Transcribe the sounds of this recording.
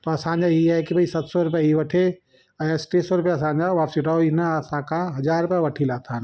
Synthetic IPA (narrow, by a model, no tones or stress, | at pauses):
t̪ɔɐsãːnd͡ʒaiɛkibʱɐisɐt̪sɔɾʊpɛiʋɐʈʰe | ɐesʈeːsɔɾʊpɛɐsãːnd͡ʒaʋaːpsiʈaoinasãːkãɦɐd͡ʒaːɾpɛʋɐʈʰilaːt̪ʰan